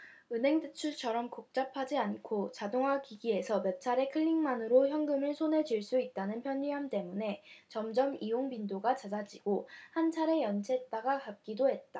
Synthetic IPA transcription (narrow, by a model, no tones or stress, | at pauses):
ɯnɦe̞ŋtɯt͡ɕʰut͡ɕʰʌɾʌmkok̚t͡ɕ͈apʰad͡ʑiankʰot͡ɕadoŋɦwakiɡie̞sʰʌmep̚t͡ɕʰaɾe̞kʰɯʎːiŋmanɯɾoçjʌŋɡɯmɯɭsʰonɦe̞d͡ʑiɭs͈uit̚t͈anɯnpʰjʌɲːiɦamt͈e̞mune̞t͡ɕʌmd͡ʑʌmioŋpindoɡat͡ɕad͡ʑad͡ʑiɡ̥ohant͡ɕʰaɾe̞jʌnt͡ɕʰet̚t͈aɡakap̚k͈idoɦe̞t̚t͈a